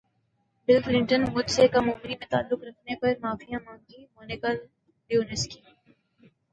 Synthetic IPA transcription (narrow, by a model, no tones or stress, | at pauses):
bɪlplɪ̃ɳʈənmʊd̪sekamʊːmɪnimẽt̪a̰ːlːʊkɾɐkʰnepɐɾmaːfijãmãːŋɡimoːnɪkəlː | juːnɪski